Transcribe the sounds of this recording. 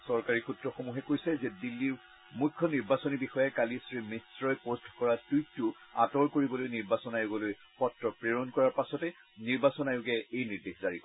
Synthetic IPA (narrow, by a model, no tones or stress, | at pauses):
sɔɹkaɹixutɹɔxomuɦɛkojsɛzɛdilːiɹ | mukʰːɔniɹbasɔnibixɔjakalisɹimisɹɔjpostʰkɔɹatujtːʊa̰tɔɹkoɹibɔlojniɹbasɔnajʊɡɔloj | xɔtːɹɔpɹeɹɔnkɔɹaɹpasɔtɛ | niɹbasɔnajʊɡɛejniɹdexzaɹikɔ